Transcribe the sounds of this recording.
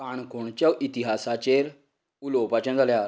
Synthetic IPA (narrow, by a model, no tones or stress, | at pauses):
aɳ̃koɳt͡ɕjaʔit̪iɦasat͡ɕeɾ | ulopat͡ɕãnd͡zʱalja